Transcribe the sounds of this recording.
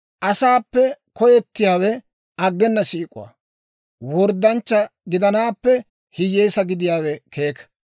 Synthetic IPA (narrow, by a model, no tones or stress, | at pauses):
ʔɐsaːpːɛkɔjɛt̪ːɪjaːwɛ | ʔɐɡːɛnːɐsiːkʼʊ̰a̰ː | wɔɾd̪ɐnt͡ʃːɐɡɪd̪ɐnaːpːɛ | hɪjeːsɐɡɪd̪ɪjaːwɛkʰe̞ːk